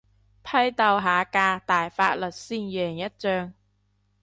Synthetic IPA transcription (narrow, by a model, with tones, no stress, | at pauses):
pʰɐ˥jt̪ɐ˨˧wɦaː˨˧kaː˧t̪aː˨˩jfaː˧˥t̚lɵ˨t̚siː˥njœː˨˩ŋjɐ˥t̚t͡sœː˧ŋ